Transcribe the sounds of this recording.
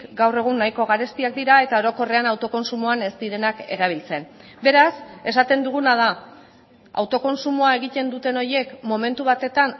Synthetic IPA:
ɡawre̞ɣ̞unːajko̞ɣ̞aɾe̞st̪iak̚d̪iɾae̞t̪ao̞ɾo̞ko̞re̞anawt̪o̞ko̞nsumuane̞st̪iɾe̞nake̞ɾaβ̞ilt͡se̞n | be̞ɾase̞sat̪e̞nd̪uɣ̞unað̞a | a̰wt̪o̞ko̞nsumuae̞ɣ̞it̪e̞nd̪ut̪e̞no̞ɾje̞kmo̞mẽ̞nt̪uβ̞at̪e̞t̪an

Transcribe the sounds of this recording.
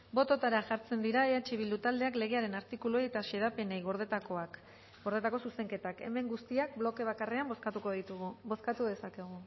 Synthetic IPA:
bo̞t̪o̞t̪aɾaʝaɾt͡se̞nd̪iɾaeat͡ʃiβ̞ild̪ut̪ald̪e̞akle̞ɣe̞aɾe̞naɾt̪ikuluejet̪aʃe̞ð̞ape̞nejɣoɾðet̪akoak | ɡo̞ɾðe̞t̪ako̞suse̞ŋke̞t̪ake̞̰me̞ŋɡust̪iak̚blo̞ke̞β̞akare̞amboskat̪uko̞ðit̪uɣubo̞skat̪uðe̞sake̞ɣ̞u

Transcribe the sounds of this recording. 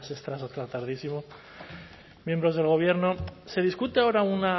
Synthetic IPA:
sest̪ɾasot̪ɾat̪aɾðisimo | mje̞mbɾo̞zð̞e̞lɣ̞o̞βje̞ɾno̞se̞ð̞iskut̪eao̞ɾauna

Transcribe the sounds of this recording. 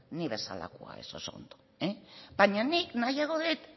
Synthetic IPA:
niβe̞sa̰la̰koa̰esoso̞̰nd̪o | ebaɲaniknajaɣoðet̪

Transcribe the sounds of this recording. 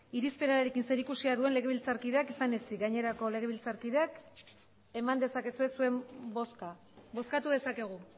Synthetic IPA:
iɾispe̞ɾaaɾe̞kinse̞ɾikusiaðue̞nle̞ɣe̞β̞ilt͡saɾkiðeakisanesiɡaɲe̞ɾako̞le̞ɣ̞e̞βilt͡saɾkiðeak | e̞mand̪e̞sake̞sue̞sue̞mboska | bo̞skat̪uðe̞sake̞ɣ̞u

